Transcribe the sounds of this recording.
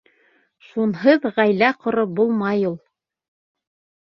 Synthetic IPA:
ʃunɦɤðʁæjlæqŏɾɤbulˠmɑjulˠ

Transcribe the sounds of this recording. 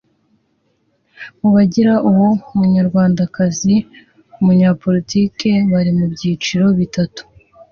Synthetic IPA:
uβaɟiɾaʔuwoumuɲaɾɡwaːndakazi | umuɲaːpo̞ɾitiːke̞βaɾimubɟiːt͡ʃiɾo̞βitatu̥

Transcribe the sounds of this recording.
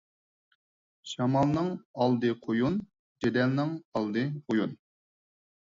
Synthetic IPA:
ʃɑmɑlˠnɨŋɑlˠd̪ɨqʰojun | d͡ʒed̪ɛlnɪŋɑlˠd̪ɨojun

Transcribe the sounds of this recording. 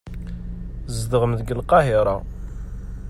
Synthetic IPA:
zd̪əʁəmðɡəlqɑɦɪɾˤɑ̰

